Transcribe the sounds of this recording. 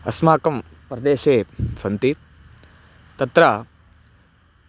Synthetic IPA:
ɐsmaːkɐm | pɾɐd̪eːʃeːsɐnt̪i | t̪ɐt̪ɾa

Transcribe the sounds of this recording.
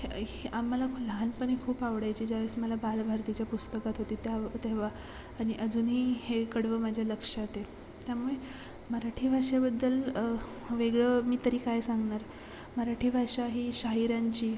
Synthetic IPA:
amːəlaləɦanpəɳikʰuːpaʋɽajt͡ɕiːd͡ʑaʋesməlabalbʱaɾt̪it͡ɕjapust̪əkat̪ɦot̪iːt̪jat̪eʋaː | ɽ̃iʔəd͡zuːnɦiːhekəɽʋəmad͡ʑʱjaləkʂat̪e | t̪jamuɭe | məɾaʈʰiːbʱaʂabəd̪ːəl | ʋeɡɭəːmiːt̪əɾiːkajsaŋɡɳaɾ | məɾaʈʰiːbʱaʂaɦiːɕaɦiɾaɲt͡ɕiː

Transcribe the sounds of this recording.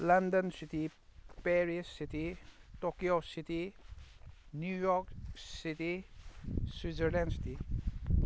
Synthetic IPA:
landənsitipeɾisːititokijositi | njujɔɾksiti | swizeɾlensi̥ti

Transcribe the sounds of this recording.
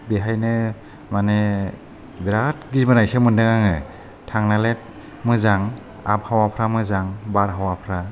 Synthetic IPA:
biɦajnɯ | mane | biɾatɡizmɯnajsemɯndɯŋaŋɯ | tʰaŋnalet̚ | mɯzaŋ | a̰p̚hawapʰɾamɯzaŋbaɾɦawapʰɾa

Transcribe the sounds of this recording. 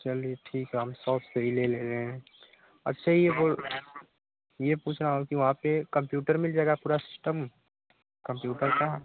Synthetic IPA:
t͡ʃɐlieʈʰiːkɦɛɦəmsɔːfseɦileleːɾeɦɛ̃ | ɐ̰tːʃʰaijeboːl | jepuːt͡ʃʰnaɦkiʋɐɦãpekɐ̃mpjuːʈəɾmɪld͡ʒaːɛɡapuːɾasɪsʈəm | kɐ̃mpjuːʈəɾka

